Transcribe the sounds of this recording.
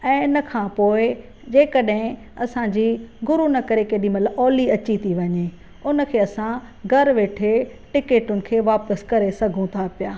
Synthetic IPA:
ɛ̃ːɪnəkʰãːpoːɪ | d͡ʑeːkəɗɦɪ̃ | ɐsãd͡ʑiːɡʊɾunɐkɐɾekeːɗĩmɐləɔːliɐt͡ɕit̪ʰiʋɐɲe | ʊnə̆kʰeːɐsã | ɡʱɐɾʋeːʈʰeʈɪkeːʈʊnɪ̆kʰeːʋaːpəskɐɾesɐɡʱũt̪ʰapijaː

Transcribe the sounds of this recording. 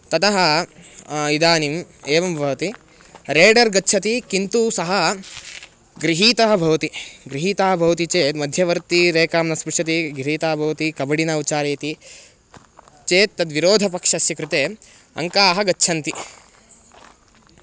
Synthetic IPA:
t̪ɐt̪ɐɦɐ | id̪aːnimeːʋɐmbʱɐʋɐt̪i | ɾeːɖɐɾɡɐtːt͡ʃʰɐt̪ikint̪uːsɐɦɐ | ɡɾiɦiːt̪ɐɦɐbʱɐʋɐt̪iɡɾiɦiːt̪aːɦɐbʱɐʋɐt̪it͡ʃeːt̪mɐd̪ʱjɐʋɐɾt̪iɾeːkaːmnɐspuʂɐt̪iɡɾiɦiːt̪aːɐbʱɐʋɐt̪ikɐbɐɽinɐwt͡ʃaːɾeːt̪i | t͡ʃeːt̪ːɐd̪ʋiɾoːd̪ʱɐpɐkʂɐsjɐkɾut̪eː | ɐ̰ŋkaːɦɐɡɐtːʃʰɐnt̪i

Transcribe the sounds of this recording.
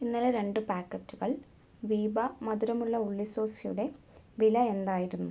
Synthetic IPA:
inːɐleɾe̞ɳɖɨpaːkːɐtːuɣɐɭ | ʋiːbɐmɐd̪uɾɐmuɭːɐuɭːiso̞ːsijṵɽe̞ | ʋilɐe̞nd̪aːjiɾunːu

